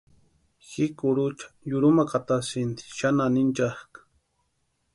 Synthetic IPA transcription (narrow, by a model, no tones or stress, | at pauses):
xɪkʊɾʊt͡ʃḁjʊɾʊmakat̪asɪnt̪i̥ʃananɪnt͡ʃahkḁ